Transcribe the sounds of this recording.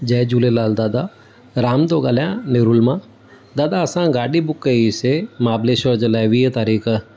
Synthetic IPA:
d͡ʒɐːd͡ʒulelaːld̪aːd̪aː | ɾaːmd̪oːɡaːljãːnɪɾulmãː | d̪aːd̪aɐsãːɡaːɖibʊkːəisemaːbleːʃoɾd͡ʒɐlaːjʋiːət̪aːɾiːkʰ

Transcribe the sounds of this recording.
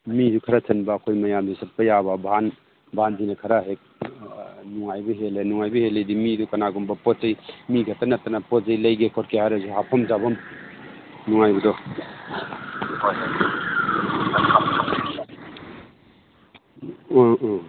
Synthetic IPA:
mizukʰɐɾasʰɐnbɐːkʰojmɐjamzusɐt̚pɐjaβɐbʱaan | bʱandinɐkʰɐɾaɦek̚ | nuŋajbɐɦelenuŋajbɐheledimidukɐnaɡumbɐpɔzejmiɡɐtːɐnɐtːɐnɐpɔzɐjlɐjɡekʰɔɾkʰehajɾazuɦapʰɐmzabɐm | nuŋajbɐdɔ | kankʰap

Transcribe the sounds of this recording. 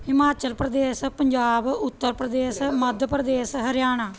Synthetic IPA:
hɪmaːt͡ʃəlpɾəd̪eːspəɲd͡ʒaːbʊt̪ːəɾpɾəd̪eːsməd̪ʱəpɾəd̪eːsɦəɾjaːnaː

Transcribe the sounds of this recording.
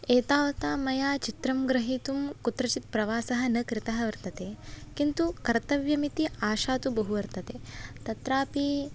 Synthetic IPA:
eːt̪aːʋɐt̪aːmɐjaːt͡ʃit̪ɾɐmɡɾɐɦiːt̪umkut̪ɾɐt͡ʃit̪̚pɾɐʋaːsɐɦɐ̆nɐkɾɪt̪ɐɦɐʋɐɾt̪ɐt̪ekint̪ukɐɾt̪ɐʋjɐmit̪iaːʃaːt̪ubɐɦuʋɐɾt̪ɐt̪eːt̪ɐt̪ɾaːpi

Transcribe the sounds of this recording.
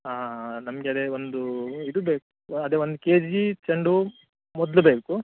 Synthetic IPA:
aːnɐmɐɡeɐd̪eond̪uid̪ubeːkuɐd̪eːʋond̪ukeːd͡ʒit͡ʃɐɳɖu | mɔd̪lubeːku

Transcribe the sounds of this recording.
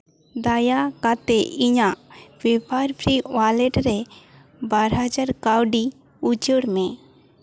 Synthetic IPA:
d̪ajakat̪ɛʔiɲaʔpʰipaɾpʰɾiwalɛʈɾɛ | baɾɦad͡ʒaɾkawɖi | ud͡ʒəɽmɛ

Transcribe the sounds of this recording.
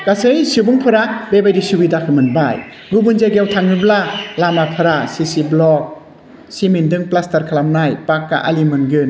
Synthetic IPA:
kasɯjsibuŋpʰɯɾabebajdisubidakʰɯmɯnbaj | ɡubunzeɡewtʰaŋnɯblalamapʰaɾasisiblɔk̚ | simindɯŋplastaɾkʰalamnajpakːa̰ʔa̰limɯnɡɯn

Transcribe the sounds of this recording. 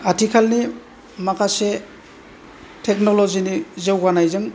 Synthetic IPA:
atʰikʰalni | makʰase | tʰek̚nolozinizewɡanajzɯŋ

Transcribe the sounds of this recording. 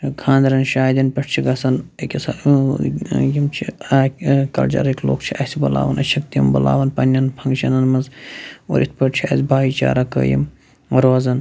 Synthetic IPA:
kʰãːnd̪ɾɐnʃaːd̪ɐnpɐʈʰt͡ʃʰiɡɐsɐnekʲɐsɐ | jimt͡ʃʰiaːkɐ̰ld͡ʒɐ̰ɾekʲlo̰ːkt͡ʃʰiʔɐsibɐla̰ːʋɐnɐt͡ʃʰɐkt̪ijɐmbɐla̰ːʋɐnpɐnʲːɐnpʰɐŋɡt͡ʃʰɐnɐnmɐnzo̰ɾʔit̪̚ʰpɐʈ̚t͡ʃʰiɐsʲbʱaːit͡ʃa̰ːɾɐkə̰ːjḭm | ɾoːzɐn

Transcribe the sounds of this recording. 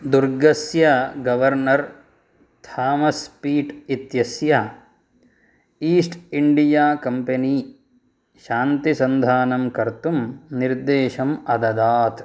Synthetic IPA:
d̪uɾɡɐsjɐɡɐʋɐɾnɐɾ | t̪ʰaːmɐspiːʈit̪jɐsjɐ | iːsʈiɳɖijaːkɐmpɐniː | ʃaːnt̪isɐnd̪ʱaːnɐmkɐɾt̪umniɾd̪eːʃɐmɐd̪ɐd̪aːt̪

